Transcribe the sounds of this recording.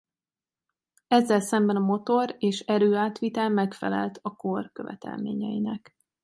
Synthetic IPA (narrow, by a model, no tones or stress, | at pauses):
ɛzːɛlsɛmbɛnɒmo̞t̪o̞ɾeːʃɛɾøːaːt̪ʋit̪ɛlmɛkfɛ̰lɛ̰lt̪ʰɒkorkø̞vɛ̰t̪ʰɛ̰lmḛːɲɛjinɛk